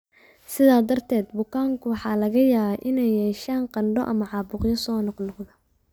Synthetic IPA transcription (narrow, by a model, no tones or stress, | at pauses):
sɪðaːd̪ɐrt̪ʰɛːd̪bʊkʰaːŋkʰʊwɑħɑːlɐɣɐjaːβɛjʔɪnɛjːɛːʃaːnqɑɳɖɔʔɐmɐʕɑːbʊqjɔsɔːnɔqnɔqðɐ